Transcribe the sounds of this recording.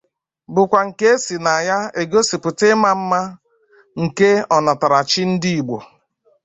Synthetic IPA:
bʊ˨kʷa˨ŋ̩˨ke˦e˦si˨na˨ja˦e˨ɡo˦si˨pʊ˨tɪ˦ma˦m̩˦ma˦ | ŋ̩˨ke˦ɔ˨na˨ta˨ɾa˨t͡ʃɪ˦n̩˦di˦i˨ɡ͡bo˨

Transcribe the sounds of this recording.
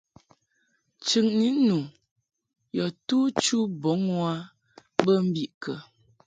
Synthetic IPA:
t͡ʃɨ˨ŋni˦nu˨ | jɔ˨tuː˦t͡ʃu˦bo˨˦ŋwa˦ | bə˦m̩˦bi˨ʔkə˨

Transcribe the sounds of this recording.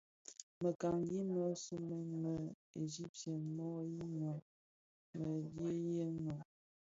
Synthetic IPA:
mə˨ka˨ŋli˦nɔ˦su˦me˨˦mə˨ | e˨zi˦p̚tɛ˨nmɔ˦ji˦nɔ˨ | mə˨lje˦je˦no˨

